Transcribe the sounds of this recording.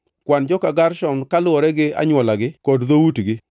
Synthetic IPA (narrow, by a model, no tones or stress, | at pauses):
kwand͡ʒɔkaɡaɾʃɔnkalʊɔɾɛɡɪa̰ɲwɔlaɡɪkɔdðowutɡɪ